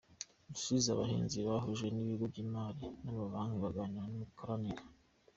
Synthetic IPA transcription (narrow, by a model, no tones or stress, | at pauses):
musuizaβahiːnziβaɦoʒwe̞niβiɡobɟiːmaːɾinamaβaːŋ̥iβaɡaɲanumukaɾaniɾa